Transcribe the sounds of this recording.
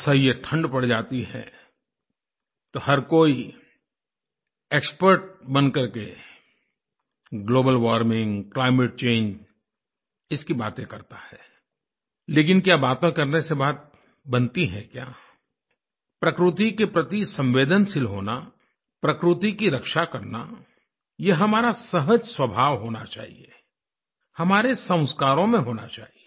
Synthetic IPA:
sɐɦijeʈʰə̃ɳɖpɐɽd͡ʒaːt̪iɦɛ̰̃ | t̪ohɐɾkoːi | ekspəɾʈ̚bɐ̃nkɐɾke | ɡloːbəlʋaːɾmɪ̃ŋɡklaːɪmeʈ̚t͡ʃẽːɲd͡ʒ | ɪskibaːt̪ẽkɐɾt̪ḁhɛː | leːkɪnkjaːbaːt̪õkɐɾnesebaːt̪̚ | bɐ̃nt̪iɦɛ̰̃kja̰ː | pɾɐkɾɪt̪ikepɾɐt̪isɐ̃mʋeːd̪ənsɪlɦoːna | pɾɐkɾɪt̪ikiɾɐkʃakɐɾna̰ | jeɦɐmaːɾasɐɦəd͡ʒswɐbʱaːʋɦoːna̰t͡ʃa̰ːɦḭe | hɐmaːɾesə̃w̃skaːɾõmẽɦoːna̰t͡ʃa̰ːɦie

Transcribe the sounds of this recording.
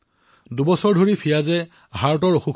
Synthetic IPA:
dubɔsɔɹdʱoɹipʰijazɛ | ɦaɹt̬ɔɹoxukʰ

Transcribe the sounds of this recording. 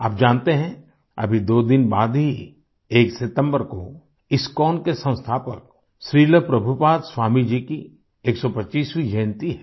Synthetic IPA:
aːp̚d͡ʒaːnt̪eɦɛ̃ | ɐ̰bʱid̪oːd̪ɪnbaːd̪ɦi | eːksɪt̪ə̃mbəɾko | ɪskɔːnkesɐ̃w̃st̪ʰaːpə̰k̚ | ʃɾiːləpɾɐbʱupaːd̪swaːmid͡ʒiki | eːksɔpɐʃiːswid͡ʒẽːnt̪iɦɛː

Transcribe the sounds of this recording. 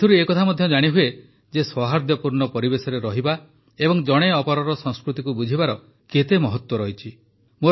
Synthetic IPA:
t̪ʰuɾuekɔt̪ʰamɔd̪ʱjɔd͡ʒaɽ̃iɦue | d͡ʒeswɔɦaɾd̪jɔpuɾɳɔpɔɾibesɔɾeɾɔɦiba | ebɔŋd͡ʒɔɽ̃eɔpɔɾɔɾɔsɔŋskɾut̪ikubud͡ʒʱibaɾɔ | ket̪emɔɦɔt̪wɔɾɔɦit͡ʃʰi | mo

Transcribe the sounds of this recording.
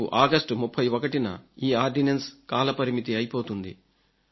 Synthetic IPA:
uʔaːɡɐsʈmupʰːɐjʋɔkɐʈinɐ̰iːaːɾɖinenskaːlɐpɐɾimit̪iɐjipo̞ːt̪und̪ḭ

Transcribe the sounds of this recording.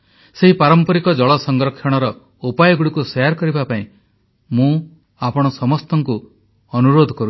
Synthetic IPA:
seɦipaɾɔmpɔɾikɔd͡ʒɔɭɔsɔŋɡɾɔkʰʃɔɽ̃ɔɾɔ | upajɔɡuɽikusɔjaɾkɔɾibapaĩ | mũ | apɔɽ̃ɔsɔmɔst̪ɔŋku | ɔnuɾod̪ʱɔkɔɾu

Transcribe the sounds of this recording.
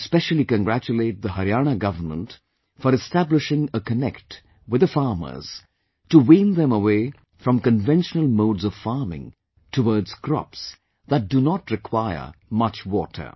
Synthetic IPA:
spɛʃəlˠikə̃nɡɾæt͡ʃuleɪt̚ðəɦəɾijañəɡʌvə˞mə̰̃nt | fəɾɨstæblɪʃɪ̃ŋəkənɛkt | wɨðəfɑɹmə̰˞z̥ | tuwĩnðɛ̃məweɪ | fɾʌ̃mkə̃nvɛ̃nʃənəlˠmoːdzɔv̥faɹmɪ̰̃ŋ | tʰəwɔɹdz̥kʰɹɔ̰ps | ðət̚d̥unɔtɹɪkʰwaɪə̰˞mʌt͡ʃwɔ̰tʰə̰˞

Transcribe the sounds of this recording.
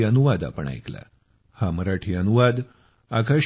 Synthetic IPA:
ənuʋad̪a̰pəɳa̰jkla̰ | haməɾaʈʰiənuʋad̪ | akaɕ

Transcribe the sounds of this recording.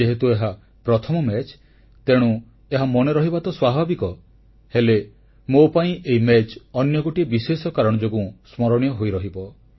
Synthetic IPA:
eɦet̪ueɦa | pɾɔt̪ʰɔmɔmet͡ʃ | t̪eɽ̃ũ | eɦamɔneɾɔɦibat̪ɔswabʱabikɔ | hele | mopaĩʔeimet͡ʃɔnjɔɡoʈibisesɔkaɾɔɽ̃ɔd͡ʒoɡũsmɔɾɔɽ̃jɔɦojɾɔɦibɔ

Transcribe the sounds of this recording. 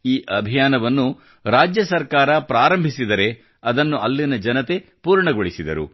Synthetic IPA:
iːʔɐbʱijaːnɐʋɐnːu | ɾaːd͡ʒjɐsɐɾkaːɾɐpɾaːɾɐmbʱisid̪ɐɾe̞ | ɐd̪ɐnːuʔɐlːinɐd͡ʒɐnɐt̪e̞puːɾɳɐɡoɭisid̪ɐ̰ɾṵ

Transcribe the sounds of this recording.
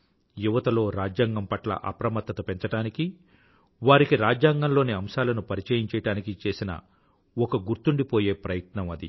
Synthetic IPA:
juʋɐt̪ɐlo̞ːɾaːd͡ʒjaːŋɡɐmpɐʈlɐ̰ʔɐ̰pɾɐmɐt̪ːɐt̪ɐpeɲt͡ʃɐʈaːniki | ʋaːɾikiɾaːd͡ʒjaːŋɡɐnlo̞ːniɐmʃaːlɐnupɐɾit͡ʃɐjiɲt͡ʃɛːjɐʈaːnikit͡ʃe̞ːsinɐ̰ | ɔkɐɡuɾt̪uɳɖipo̞ːje̞ːpɾɐjɐt̪nɐmɐd̪ḭ

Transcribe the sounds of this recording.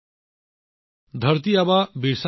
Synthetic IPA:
d̪ʱəɾt̪iɐbabiɾs

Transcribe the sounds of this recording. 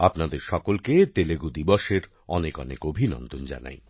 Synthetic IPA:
apnad̪eɾʃɔkolket̪eleɡud̪ibɔʃeɾ | ɔnekɔ̰nḛkobʱinɔ̰nd̪ond͡ʑa̰na̰j

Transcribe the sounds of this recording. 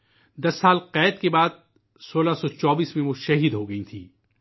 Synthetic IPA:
d̪ɐsːaːlqɛːt̪kebaːd̪̚ | soːlasɔt͡ʃɔːbiːsmẽʋoʃɐɦiːd̪ɦoɡɐĩt̪ʰiː

